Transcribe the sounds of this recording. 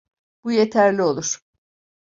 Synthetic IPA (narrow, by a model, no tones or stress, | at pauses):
b̥ujet̪ʰæɾlʲio̞lˠuɾ̥